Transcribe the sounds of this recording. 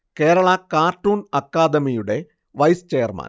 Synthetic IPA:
keːɾɐɭɐkaːrʈːuːnɐkːaːd̪ɐmijuɽe̞ | ʋɐjst͡ɕeːɐrmɐ̰n

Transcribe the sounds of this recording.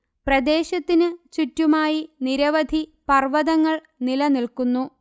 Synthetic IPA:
prɐd̪e̞ːɕɐt̪ːinɨt͡ɕutːumaːjiniɾɐʋɐd̪ʱipɐrʋɐðɐŋːɐɭ | nilɐnilkunːu

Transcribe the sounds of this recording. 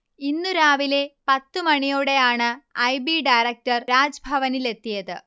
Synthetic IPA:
inːuɾaːʋile̞pɐt̪ːɨmɐɳijoːɽe̞jaːɳɨɐjbiɖɐjɾɐk̚ʈɐrɾaːd͡ʑɐbʱɐʋɐnile̞t̪ːijɐðɨ

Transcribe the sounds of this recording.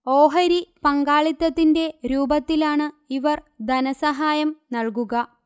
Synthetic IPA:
o̞ːɦɐɾipɐŋɡaːɭit̪ːɐt̪ːinde̞ɾuːbɐt̪ːilaːɳɨ | iʋɐr | d̪ɐnɐsɐɦaːjɐmnɐɭkuɣɐ

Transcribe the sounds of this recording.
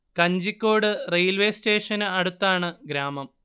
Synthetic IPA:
kɐɲd͡ʑikʲːo̞ːɽɨrejlʋeːste̞ːʂɐnɨɐɽut̪ːaːɳɨɡɾaːmɐm

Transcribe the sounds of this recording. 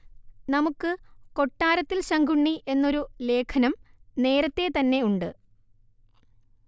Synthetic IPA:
nɐmukːɨko̞ʈːaːɾɐt̪ːilɕɐŋɡʱuɳːiʔe̞nːo̞ɾule̞ːkʰɐnɐmne̞ːɾɐt̪ːe̞t̪ɐnːe̞uɳɖɨ

